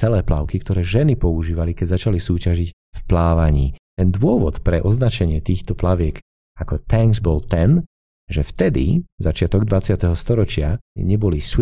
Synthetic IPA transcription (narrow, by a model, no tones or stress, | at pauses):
t͡sɛlɛːpla̰ʊkikt̪ɔɾɛːʒɛnipɔuʒiːʋalikɛɟzat͡ʃalisuːcaʒic | fplaːʋaɲiːt̪ɛnd̪ʊɔʋɔ̰t̪pɾɛʔɔznat͡ʃɛɲɪɛt̪iːxt̪ɔplaʋɪɛk | akɔt̪ɛŋɡzbɔlt̪ɛn | ʒɛft̪ɛd̪ḭzat͡ʃɪat̪ɔɡd̪ʋat͡sɪat̪ɛɦɔst̪ɔɾɔt͡ʃɪaɲɛbɔlis